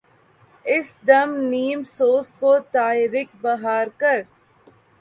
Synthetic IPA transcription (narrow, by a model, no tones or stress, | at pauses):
ɪsɖ̪ɐmniːmsoːfkoːt̪aːɪɾɪk̚bɐɦaːɾkɐɾ